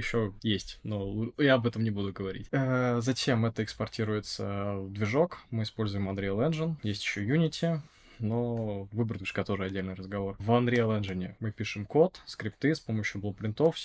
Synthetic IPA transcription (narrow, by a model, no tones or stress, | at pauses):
jɪɕːo̞jesʲtʲnoujaɐbɛt̪əmnʲɪbud̪ʊɡəvɐɾʲḭtʲəzɐt͡ɕʲe̞mɛt̪əɪkspɐrtʲiɾʊjɪt̪sə̰d̪vʲɪʐo̞kmɨɪspo̞lʲzʊjɪmɐnd̪ɾʲelˠɛnʐɨnjesʲtʲɪ̥ɕːojunʲɪtʲɪ | novɨbɾət̪ʲʊʂkat̪o̞ʐɨɐdʲːelʲnɨjɾəzɡɐvo̞rvɐnd̪ɾʲejɐlˠɛnʐɨnʲɪmɨpʲiʂɨmko̞t̪skɾʲɪpt̪ɨspo̞məɕjʊblˠopɾʲɪnt̪ofsʲ